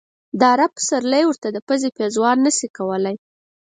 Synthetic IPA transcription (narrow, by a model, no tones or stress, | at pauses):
d̪ɑɾapə̥saɾləjwəɾt̪ad̪əpəzepezwɑɾnəsikawəlaj